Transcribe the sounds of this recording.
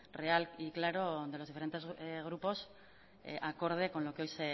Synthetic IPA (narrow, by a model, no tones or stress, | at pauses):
re̞aliklaɾo̞ðe̞lo̞zðifeɾent̪e̞zɣ̞ɾupo̞s | ʔako̞ɾð̞e̞ko̞nlo̞keo̞jse